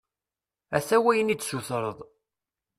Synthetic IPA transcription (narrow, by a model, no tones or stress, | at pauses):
æ̰θæwæjənid̪suθɾˤəðˤ